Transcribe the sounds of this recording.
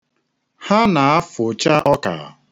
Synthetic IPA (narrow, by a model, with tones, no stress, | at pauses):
ha˦na˨a˦fʊ˨t͡ʃa˦ɔ˦ka̰˨